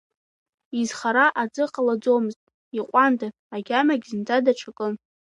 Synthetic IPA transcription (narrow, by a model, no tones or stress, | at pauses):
izχaɾaʔad͡zʼɨqʼalad͡zomɨztʼ | iqʷʼanda | aɡʲamaɡʲzɨnd͡zʰʼadaʈ͡ʂʰakʼɨ